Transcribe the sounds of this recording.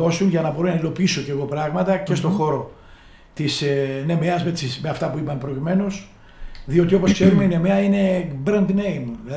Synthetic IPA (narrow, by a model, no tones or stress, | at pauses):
osunʝɐnɐbo̞ɾonɐilo̞piiso̞ce̞ɣo̞pɾɐɣmɐt̪ɐce̞st̪o̞xo̞ɾo̞ | t̪isne̞meɐzmesismeɐft̪ɐpuipɐmepɾocime̞nos | ðio̞t̪io̞po̞skse̞ɾume̞ine̞meɐine̞bɾɐnd̪nejmilɐ